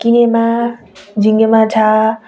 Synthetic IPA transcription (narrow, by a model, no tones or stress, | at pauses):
kinema | d͡ʒʱiŋɡemat͡sʰa